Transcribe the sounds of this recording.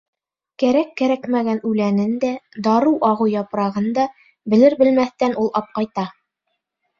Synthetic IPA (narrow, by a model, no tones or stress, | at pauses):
kæɾækːæɾækmæɡænʉlænɘnd̪æd̪ɑɾɤʔɑʁɤjɑpɾɑʁɤnd̪ɑ | bɘ̆lɘɾbɘ̆lmæθt̪ænulˠɑp̚qɑjt̪ɑ